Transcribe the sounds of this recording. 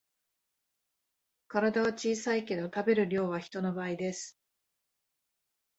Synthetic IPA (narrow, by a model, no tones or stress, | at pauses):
kaɾad̪aβat͡ɕiːsaike̞d̪o̞t̪abe̞ɾɯ̟ɾʲo̞ːβ̞açi̥t̪o̞no̞baːid̪e̞sɨ̥